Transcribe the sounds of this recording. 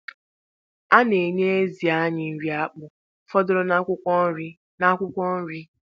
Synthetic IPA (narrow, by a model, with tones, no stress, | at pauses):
a˦ne˨ɲe˦e˦zi˨a˦ɲɪ˨n̩˨ɾi˨˦a˦k͡pʊ˨ | fɔ˦dʊ˦ɾɔ˦nʷ˦ʊ˦ | na˦kʷʊ˦kʷɔ˦n̩˦ɾi˦